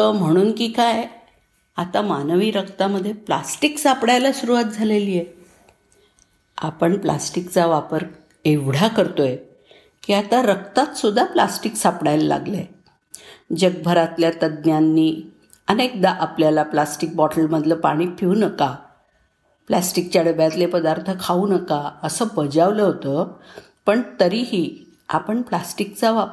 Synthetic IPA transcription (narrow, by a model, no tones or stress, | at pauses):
t̪əm̤əɽ̃uːnkiːkaj | at̪amanəʋiːɾəkt̪aməd̪ʱːjepla̰sʈiksapɽajlasuɾuʋat̪̚d͡zʱaleliːje | a̰pəɳpla̰sʈikt͡saʋapəɾ | eʋɽ̤jakəɾt̪oje | kiːat̪aɾəkt̪at̪sud̪ʱːaplasʈiksapɽajlala̰ɡləe | d͡ʑəɡ̚bʱəɾat̪ljat̪əd̪njanːiː | ənek̚d̪aʔapljalaplasʈik̚bɔʈəlməd̪ʱləpa̰ɽ̃ipʰiʋnəka | plasʈik̚t͡ɕjaɽəbjat̪lepəd̪aɾt̪ʰəkʰaunəkaəsəːbəd͡ʑaʋləɦot̪ə | pəɳt̪əɾiːɦiː | a̰pəɳplasʈikt͡saʋa